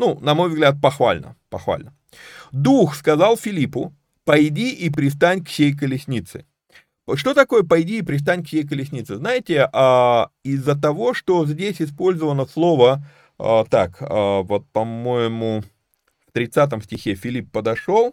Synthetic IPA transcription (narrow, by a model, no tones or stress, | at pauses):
nunɐmo̞jvzɡlʲat̪̚pɐxva̰lʲnə̰pɐxva̰lʲnə | d̪uxskɐzalˠfʲɪlʲipʊ | pɐjdʲiʔɪpɾʲɪst̪anʲksʲejk̬əlʲɪsʲnʲit̪sɨ̥̰ | ʂt̪o̞t̪ɐko̞jəpɐjdʲiːpɾʲɪs̬t̪anʲksʲejk̬əlʲɪsʲnʲit̪sɨznajɪtʲɪʔaɪzːət̪ɐvo̞ʂt̪o̞zʲdʲesʲɪspo̞lʲzəvənəslˠo̞və | ət̪akəvo̞t̪̚pɐmo̞jɪmʊ | ft̪ɾʲɪt̪sat̪̬əmsʲtʲɪxʲefʲɪlʲipːəd̪ɐʂo̞lˠ